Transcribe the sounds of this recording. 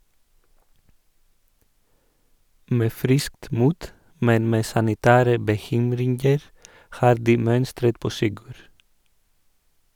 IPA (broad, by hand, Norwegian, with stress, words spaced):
ˈmeː ˈfɾɪskt ˈmuːt ˈmɛn ˈmeː sɑnɪˈtæːɾə bəˈçʏmɾɪŋɡəɾ ˈhɑːɾ ˈdiː ˈmœnstɾət ˈpoː ˈsɪɡʉɾ